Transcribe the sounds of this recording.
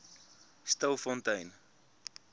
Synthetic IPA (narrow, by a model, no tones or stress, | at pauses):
st̪ɐwfɔ̃ntɐjn